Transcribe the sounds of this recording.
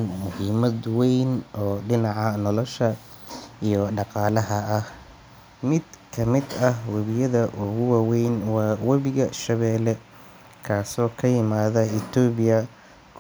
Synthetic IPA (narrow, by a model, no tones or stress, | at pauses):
nmʊhiːmɐd̪wɛjnʔɔːɖɪnɑʕɑnɔlɔʃɐ | ijɔɖɑqɑːlɐɦɐːh | mɪd̪kʰɐmɪd̪ɐɦwɐβɪjɐðɐʔʊɣʊwɑːwɛjnwɑːwɐβɪɣɐʃɐβɛːlɛ | kʰaːsɔːkʰɐjɪmaːðɐɪt̪ʰɔːβɪjɐ | kʰ